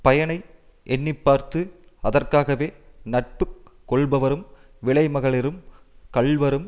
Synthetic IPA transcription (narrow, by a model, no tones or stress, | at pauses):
pɐjɐɳɐɪ | ʔɛnːɪpːaːɾt̪ɯɐðɐrkaːɣɐʋeːnɐʈ̚pɯkː | ɔɭbɐʋɐɾɯm | ʋɪɭɐɪmɐɣɐɭɪɾɯmkɐɭʋɐɾɯm